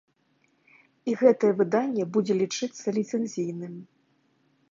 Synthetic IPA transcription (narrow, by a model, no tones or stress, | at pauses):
iɣɛt̪ɐjɛvɨd̪anʲːɛbud͡zʲɛlʲit͡ʂɨt̪sːɐlʲit̪sɛnʲzʲijnɨm